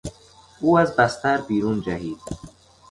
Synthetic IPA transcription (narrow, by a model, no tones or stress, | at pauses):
uazbast̪aɾbiːɾund͡ʒaɦid̪̚